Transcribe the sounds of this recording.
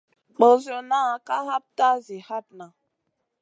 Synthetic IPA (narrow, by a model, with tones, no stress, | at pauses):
k͡po˨zo˨na˦a˨ka˦ɦa˦p̚ta˦zi˨ha˦pna˨